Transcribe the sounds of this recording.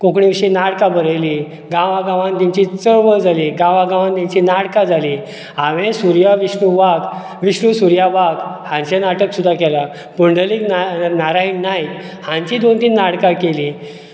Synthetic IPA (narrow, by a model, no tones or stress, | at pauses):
kokɳiʋiɕinaɽkabəɾəjliː | ɡãʋaɡãʋãnt̪iɲt͡ɕit͡səɾʋəd͡zʱaliːɡãʋãɡãʋ̃ãnt̪ãɲt͡ɕinaɽkad͡zʱaliː | aʋẽsuɾjaʋiɕɳuʋaɡ | ʋiɕɳusuɾjaʋaɡhãnɕenaʈəksud̪ʱːakɛla | puɳɖəliːknanaɾainːaj | hãɲt͡ɕid̪ont̪iːnːaɽkakeli